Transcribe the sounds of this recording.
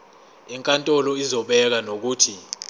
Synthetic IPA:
ɛŋkʼantʼɔlɔizɔɓɛk̬anok̬uːtʰi

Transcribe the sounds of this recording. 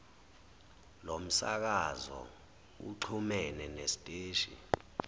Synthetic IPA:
lom̩sak̬azɔ̰ | ṵǃʰumɛnɛnestʼeːʃḭ

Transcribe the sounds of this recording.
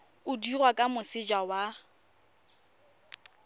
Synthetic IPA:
ʊdirwakʼamʊsɪd͡ʒawa

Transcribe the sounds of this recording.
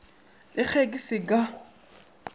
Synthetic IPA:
lɪk͡xʰekʼisɪka

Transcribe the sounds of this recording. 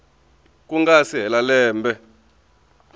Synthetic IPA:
kuŋɡasiɦɛlalɛːmbɛ

